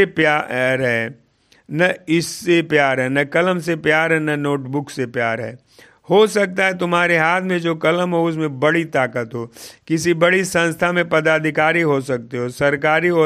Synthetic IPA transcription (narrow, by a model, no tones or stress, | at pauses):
epjaɾɦɛ̃ | nɐɪsːepjaːɾɦɛ̃nɐkɐləms̬epjaːɾɦɛnɐnoːʈbʊksepjaːɾɦɛ̰̃ː | hoːsɐk̚t̪aɦɛt̪ʊmɦaːɾeɦaːt̪ʰmẽd͡ʒoːkɐləmɦoʊs̬mẽbɐɽit̪aːkət̪ɦoːkɪsibɐɽisɐ̃nst̪ʰamẽpɐd̪aːd̪ʱɪkaːɾiɦosɐk̚t̪eɦosɐɾkaːɾiɔː